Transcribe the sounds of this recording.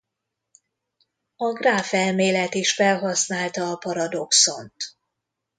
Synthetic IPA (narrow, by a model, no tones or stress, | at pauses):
ɒɡraːfɛlmeːlɛt̪iʃfɛlɦɒsnaːlt̪ɒːpɒɾɒd̪o̞kso̞̰nt̪